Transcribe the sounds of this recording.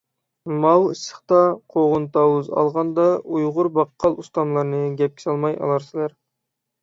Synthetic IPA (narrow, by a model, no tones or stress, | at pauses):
mɑlɨʃə̥χt̪ɑqʰoʁʊnt̪ɑwuzɑ̰lˠʁɑnd̪ɑujʁʊɾbɑqʰːɑlˠust̪ɑmlˠɑɾnɨɡʲɛp̚kʲi̥sɑlˠmɑjɑ̰lˠɑɾsɪlæɾ